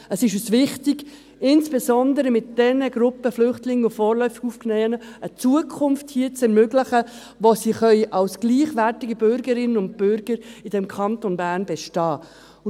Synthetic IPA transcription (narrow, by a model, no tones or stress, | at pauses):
əsɪʃysʋɪχtiɡ̥ | ɪnsb̥ɛsɔnd̪əɾəmɪt̚d̥ɛnəɡɾʊpːəflʏχtlɪŋːəufɔːɾlœʏfiɡ̥ufknɛnəət͡suəkʰʊmfthiːət͡sɛɾmøɡləχə | ʋosiːχœʏʔɑlsɡ̥liːχʋærtiɡəbʏɾɡəɾɪnːənʊnd̚b̥ʏɾɡ̥əɾid̥ɛmkʰɑnt̪onbæːɾnbɛʃtɑː